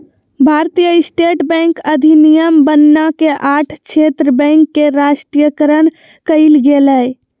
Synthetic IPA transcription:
bʱaɾt̪ijəisʈeʈbɛ̃ŋkəd̪ʱinijəmbənːakeʔaʈʰt͡ʃʰet̪ɾəbɛ̃ŋkːeɾaʃʈɾijəkəɾən | kəilɡeləj

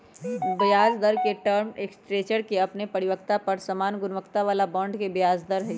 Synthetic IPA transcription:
bəjaːzd̪əɾkeʈəɾmeksʈɾeːt͡ʃəɾkeɐpnepɐɽiʋək̚t̪apɐɾsɐmaːnɡʊnʋəkt̪aʋaːlabɔ̃ːɳɖkebjaːzd̪əɾɦɛ

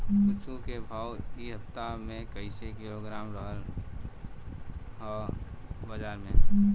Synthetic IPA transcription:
kʊt͡ʃũkebʱaːwiɦəpt̪amẽkəɪsekɪloɡɾaːmɾəɦəl | ɦɔ | bəd͡ʒaːɾmẽ

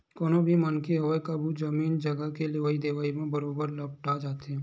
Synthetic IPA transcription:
koːnobʱimɐnkiɦoʋekɐbʱud͡ʒɐmiːnd͡ʒɐɡəkelɪʋaːid̪eːʋaːimẽbɐɾoːbəɾlɐb̚ʈad͡ʒaːt̪eɦɛ̃

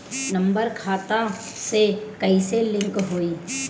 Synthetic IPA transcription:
nə̃mbəɾkʰaːt̪a | sekəiselɪ̃ŋkɦoːiː

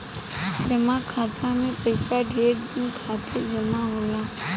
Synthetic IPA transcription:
d͡ʒɐmakʰaːt̪ʰamẽpəɪsaɖeːɖdɪnkʰaːt̪ɪɾd͡ʒɐmaɦoːlaː

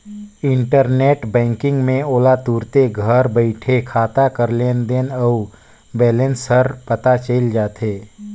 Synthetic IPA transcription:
ɪ̃ɳʈəɾneːʈbɛ̃ːŋkɪ̃ŋɡmẽoːlat̪uːɾt̪eɡʱəɾbəɪʈʰekʰaːt̪akəɾleːnd̪eːnəu | bɛːlẽnsəɾpət̪at͡ʃeːld͡ʒaːt̪ʰeː

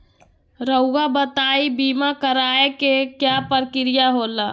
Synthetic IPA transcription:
ɾəʊɡabət̪aːibiːmakəɾaːekekjapəɾkɪɾijaɦoːla

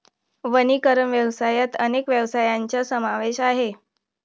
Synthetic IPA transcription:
ʋənikəɾəmʋjəwsajat̪ənekʋjəʋsajaɲt͡ɕasəmaʋeɕaɦe

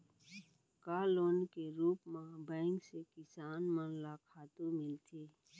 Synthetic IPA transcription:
kaːloːnkeɾuːpmãbɛ̃ːŋksekɪsaːnmənlakʰaːt̪ũmɪlt̪ʰeː

